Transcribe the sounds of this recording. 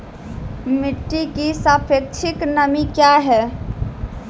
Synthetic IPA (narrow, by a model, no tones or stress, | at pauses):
mɪʈːikisaːpʰek̚t͡ʃʰɪknəmikjaɦɛ